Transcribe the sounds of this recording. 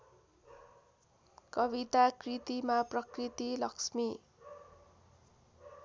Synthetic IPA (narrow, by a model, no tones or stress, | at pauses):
kʌbit̪akrit̪imaprʌkrit̪ilʌksmi